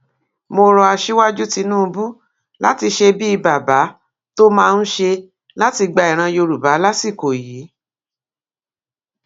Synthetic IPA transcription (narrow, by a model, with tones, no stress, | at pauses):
mo˧ɾɔ˧a˧ʃi˦wa˦d͡ʒu˦ti˧nũː˦˧bu˦ | la˦ti˧ʃe˧bi˦i˧ba˨ba˨˦ | to˦mãː˦˧n̩˦ʃe˧ | la˦ti˧ɡ͡ba˧i˨ɾ̃ã˧jo˧ɾu˨ba˨˦la˦si˦˨ko˨jiː˨˦